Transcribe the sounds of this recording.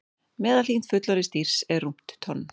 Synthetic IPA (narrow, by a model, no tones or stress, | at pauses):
mɛːðalin̥t̪fʏt̪laɾɪst̪ir̥sɛɾːum̥t̪ːʰɔnː